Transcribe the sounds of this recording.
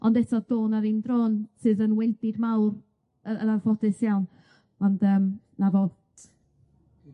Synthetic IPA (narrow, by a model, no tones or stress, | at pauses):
ɔndɛtʰɔðoːnaɾindroːnsɨːðənwɪndɪdmawr | əə̰narvɔdɨsjawn | ɔndəːm | navoː